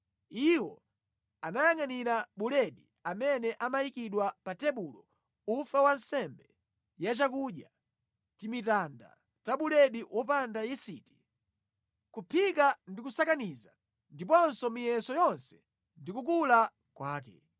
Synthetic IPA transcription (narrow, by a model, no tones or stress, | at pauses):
iwɔ | anajaŋaniɾaɓulɛɗi | amɛnɛʔamajikiɗwapatɛɓulɔ | ufawan̩sɛmbɛ | jat͡ʃakuɗja̰ | timitanda̰ | taɓulɛɗiwʔɔp̬andajisiti̥ | kupʰikandikusakaniza | ndip̬ɔnsɔmijɛnsɔjɔnsɛ̥ | ndikuk̬ula | kwaːk̬ɛ̰